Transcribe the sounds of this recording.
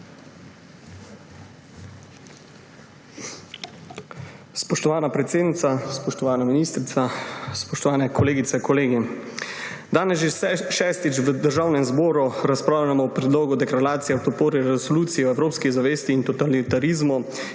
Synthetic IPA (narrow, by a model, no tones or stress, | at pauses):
spɔʃt̪ɔʋaːnapɾɛt̪seːd̪nit̪saspɔʃt̪ɔʋaːnaminiːst̪ɾit̪aspɔʃt̪ɔʋaːnɛkʰɔleːɡit̪sɛkɔleːɡi | d̪aːnɛsʒeʃɛːst̪it͡ʃʋəd̪əɾʒaːwnɛmzbɔːɾuɾaspɾaːwlʲamɔɔpɾɛd̪loːɡud̪ɛkɾaɾaːt̪sijɛwt̪ɔpoːɾiɾɛsoluːt̪sijiɔɛwɾoːpskizaʋeːst̪iːnt̪ɔt̪alit̪aɾizmu